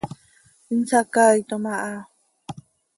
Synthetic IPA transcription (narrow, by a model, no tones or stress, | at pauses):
int͡sakait̪omaʔa